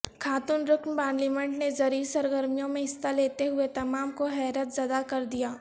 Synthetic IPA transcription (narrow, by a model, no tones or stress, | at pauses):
kʰaːt̪ʊnɾʊknpaːnliːmɛ̃ɳʈnezɐɾiːɾsɐɾɡəɾmijõmẽɦɪsːaleːt̪eɦʊet̪ɐmaːmkoɦɛːɾət̪zɐd̪akɐɾd̪ijaː